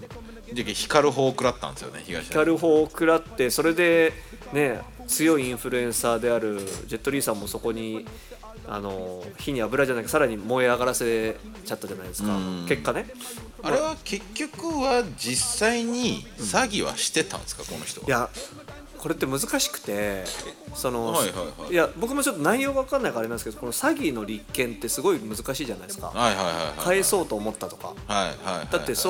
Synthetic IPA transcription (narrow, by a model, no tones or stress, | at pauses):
d̪ekːeçi̥kaɾɯ̟ɦo̞ːkɯ̟ɾat̪ːã̰nd̪esɨjoneçiɡa̰ikaɾɯ̟ɦo̞ːkɯ̟ɾat̪ːe̞so̞ɾe̞d̪e̞ | ne̞ | t͡sɨjo̞iĩɰ̃ɸɯɾɯ̟ẽ̞ɰ̃saːd̪e̞aɾɯ̟d͡ʑe̞t̪ːo̞ɾʲiːsãmːoso̞ko̞ɲ̟i | a̰no̞çiɲ̟iabɯ̟ɾaʑanaikasaɾaɲ̟imo̞eaɡaɾase̞ | t͡ɕat̪ːad͡ʑanaid̪e̞sɨ̥kake̞kːane̞ | aɾeβake̞kʲːo̞kɯ̟βad͡ʑisːaiɲ̟isaɡʲiβa̰ɕi̥t̪e̞t̪ã̰nd̪esɨ̥kakonoçi̥t̪o̰ja | kʰo̞ɾe̞t̪ːe̞mɯ̟zɨkaɕi̥kɯ̟̥t̪e̞ | so̞no̞haajabo̞kɯ̟mo̞t͡ɕo̞t̪ːo̞naijo̞ːɡaβakãnːaikaɾe̞aneske̞d̪okonosaɡʲino̞ɾʲikːẽ̞nt̪ːe̞sɨɡo̞imɯzɨkaɕiːʑanaid̪sɨ̥ka̰ajhajha̰jkʰae̞so̞ːt̪o̞ːmo̞t̪ːat̪o̞̥ka̰haiha̰id̪at̪ːe̞so